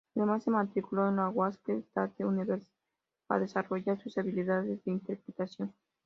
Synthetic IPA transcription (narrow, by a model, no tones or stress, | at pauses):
aðemasːemat̪ɾikuloenloaɣwasped̪a̰t̪euniβeɾs | paa̰ðe̞saro̞ʝaɾsusaβiliðaðezðeint̪eɾpɾet̪asjo̞n